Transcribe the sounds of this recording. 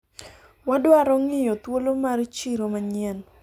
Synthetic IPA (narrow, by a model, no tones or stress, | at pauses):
wadʊaɾɔŋɪjɔt̪wolomaɾit͡ʃiɾomaɲɛn